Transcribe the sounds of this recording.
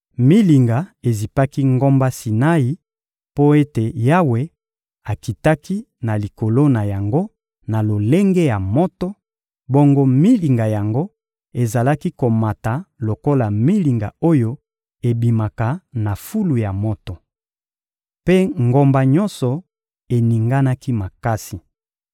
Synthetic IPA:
mi˦li˨ŋɡa˨e˨zi˨pa˦ki˦ŋɡo˦mba˦si˨na˦i˨ | po˦e˦te˨ja˦we˨ | a˨ki˨ta˦ki˦ | na˨li˨ko˨lo˦na˨ja˨ŋɡo˦ | na˨lo˨le˦ŋɡe˦ja˨mɔ˦tɔ˦ | bo˦ŋɡo˦mi˦li˨ŋɡa˨ja˨ŋɡo˦ | e˨za˨la˦ki˦ko˨ma˨ta˨lo˨ko˦la˨mi˦li˨ŋɡa˨o˦jo˦ | e˨bi˨ma˨ka˨na˨fu˦lu˨ja˨mɔ˦tɔ˨ | pe˦ŋɡo˨mba˨ɲɔ˦nsɔ˨ | e˨ni˨ŋɡa˦na˦ki˦ma˨ka˦si˨

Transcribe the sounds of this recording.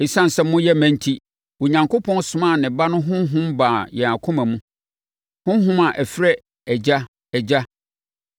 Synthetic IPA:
ɪ˨sã˦n̩˨sɛ˦mː˦ʊ̃˦jɛ˦mæ̃˦n˦tʰi˦ | wo˨ɲã˨ŋko˦pʰɔ̃˦nsʊ˨mã˦˨nɪ̃˨ba˦nʊ̃˦ɦʊ̃˦n˦ɦʊ̃˦mbaː˨jɛ˨a˨kʰʊ̃˦mã˨mũ˦ | hʊ̃˦n˦ɦʊ̃˦ma˨ʔæ˨fɪ˦ɾɛ˦ | ɛ˨d͡ʑa˦ | ɛ˨d͡ʑa˦

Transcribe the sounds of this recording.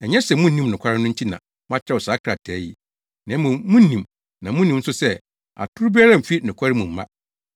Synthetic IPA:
ɛ˨ɲɛ˦sɛ˨mũ˦˨nĩ˦mnɪ̃˨kʰa˦ɾɪ˦nʊ̃˦ɲ̩˦t͡ɕʰi˦nã̰˨ | mʊ̃˦a˦t͡ɕʰɪ˦ɾɛ˦˨ɔ˨saː˨˦kʰɾa˨tʰɛː˨˦ji˦ | nã˨˦mũ˨mũ˦nĩ˨m | nã˨mũ˦nĩ˨m̩˦sʊ˦sɛ˦ | a̰˨tʰʊ˦ɾu˦bi˦a˦ɾã˦˨m̩˨fi˦˨nɪ̃˨kʷʰa˦ɾɪ˦mũ˨m̩˦mã̰˦

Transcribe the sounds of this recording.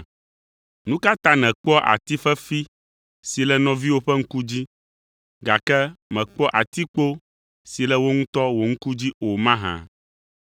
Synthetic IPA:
nũ˦ka˦t̪ã˦nɛ̃˨k͡pɔ˦ʔa̰˨t̪i˦fɛ˦fi˦ | si˨lɛ˦nɔ̃˦vi˦wo˦ɸɛ˦ŋ̩˦ku˦d͡ʑi˦ | ɡa˨kɛ˦mɛ̃˨k͡pɔ˦ʔa˨t̪i˦k͡po˦ | si˨lɛ˦wo˦ŋũ˦t̪ɔ˦wo˨ŋ̩˦ku˦d͡ʑi˦o˨mã˦ɦã̰˨

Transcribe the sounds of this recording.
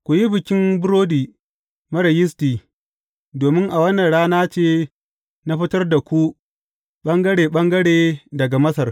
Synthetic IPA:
kʷu˨ji˦bɪ˨kʲɪ˦mbʊ˦ɾoː˦diː˨ | mɐ˦ɾɐ˨jɪ˦stiː˨ | doː˨mɪ˦ŋʔa˨wɐ˦nːɐ˨nɽaː˦naː˦t͡ʃeː˦ | na˦ɸɪ˦tɐ˦rda˨kʷu˦ | ɓɐ˦ŋɡɐ˦ɽeː˨ɓɐ˦ŋɡɐ˦ɽeː˨dɐ˨ɡa˨mɐ˦sɐ˨r

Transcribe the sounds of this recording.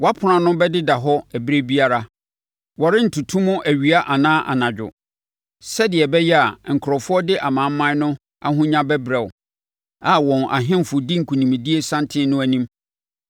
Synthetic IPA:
wa˦pʰʊ˨ã˨nʊ̃˦bɛ˦dɪ˦da˨ɦɔ˦æ˨bɾe˦bi˦a˦ɾa˦ | wɔ˨ɾɪ˦n̩˨tʰu˨tʰũ˦mʊ̃˦ʔæ˨ɥi˨a˦ʔa˨nãː˦ʔa̰˨nã˨d͡ʑᶣʊ̰˨ | sɛ˦dɪ˨ɛ˨bɛ˦jɛ˦a˨ŋ̩˨kʰʊ˨ɾɔ˨fʊ˦ɔ˦dɪ˦ʔa˨mã˨m̩˦mã˦nʊ̃˦ | a̰˦ɦʊ̃˦ɲã˦bɛ˦bɾɛ˨w | a˨wɔ̃˨nʔa̰˨ɦɪ̃˦m˨fʊ˨di˦ŋ̩˨kʰũ˨nĩ˨mĩ˨di˦e˦sã˦ntʰɪ̃˦nʊ̃˦æ˨nĩ˦m

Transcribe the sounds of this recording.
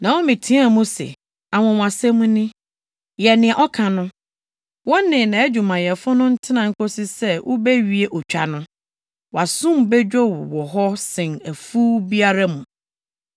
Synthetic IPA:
nã˨wɔ˦mɪ̃˨tʰĩ˦a˦˨mũ˦sɛ̰˨ | a˨wɔ̃˨w̃a˨sɛ˦mũ˦nɪ̃˦ | jɛ˨nɪ̃˨ɛ˨ʔɔ˦kʰã˨nʊ̃˦ | wɔ̃˦nɪ̃˨nã˨æ˦d͡ʑᶣu˨mã˨jɛ˨fʊ˦nʊ̃˦n̩˦tʰɪ˦nã˨ŋ̩˦kʰo˦sɪ˦sɛ˦wʔʊ̰˦bɛ˦ɥi˦e˦ʔɔ˨t͡ɕᶣa̰˨nʊ̃˦ | wa˨sũ˦m˨bɛ˦d͡ʑᶣɔ˦wwɔ˨ɦɔ˦sɪ̃˨næ˨fu˦bi˦a˦ɾa˦mũ˨

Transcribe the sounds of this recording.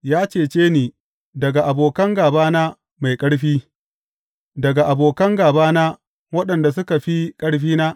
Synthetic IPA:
jaː˦t͡ʃeː˨t͡ʃeː˦niː˨ | dɐ˨ɡa˨ʔa˨boː˨kɐ˦ŋɡaː˨baː˦na˦ | ma˨jkʼɐ˦ɽɸiː˦ | dɐ˨ɡa˨ʔa˨boː˨kɐ˦ŋɡaː˨baː˦na˦ | wɐ˦ɗɐ˨nda˨s̬ʊ˦ka˨ɸi˦kʼɐ˦ɽɸiː˦naː˦ʔ

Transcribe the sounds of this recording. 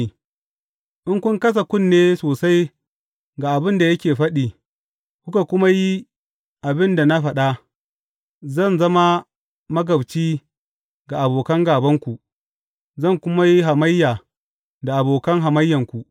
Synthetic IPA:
ʔɪ˦ŋkʷʊ˦ŋkɐ˦s̬a˨kʷʊ˦˨nːeː˦soː˨sa˦j | ɡa˨ʔa˨bɪ˦nda˨jɐ˦kʲeː˨ɸɐ˦ɗiː˨ | kʷʊ˦ka˨kʷʊ˦ma˦ji˦ | ʔa˨bɪ˦nda˨na˦ɸɐ˨ɗa˦ | zɐ˦˨nzɐ˦ma˦ | mɐ˦ɡɐ˨bt͡ʃiː˦ | ɡa˨ʔa˨boː˨kɐ˦ŋɡaː˨bɐ˦ŋkʷu˨ʔ | zɐ˦˨ŋkʷʊ˦ma˦ji˦ɦa˨mɐ˦jːaː˨ | da˨ʔa˨boː˨kɐ˦ŋɦa˨mɐ˦jːɐ˨ŋkʷu˨ʔ

